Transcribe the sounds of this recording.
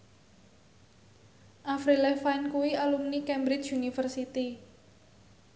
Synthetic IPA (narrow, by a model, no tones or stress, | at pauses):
ʔafɾilɛfajnkuwialumnikɛmbɾɪt͡ʃunifərsit̪i